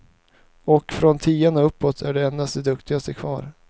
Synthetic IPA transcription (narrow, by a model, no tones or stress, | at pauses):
ɔkfɾɔnt̪ʰiːanaɵpːɔt̪ʰæɖɛɛnd̪ast̪d̪ɛd̪ɵkt̪ɪɡast̪əkʰvɑ̰ːɾ